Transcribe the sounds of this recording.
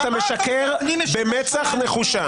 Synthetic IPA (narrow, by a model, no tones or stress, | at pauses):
t̪ameʃakeʁbemet͡saχneχuʃa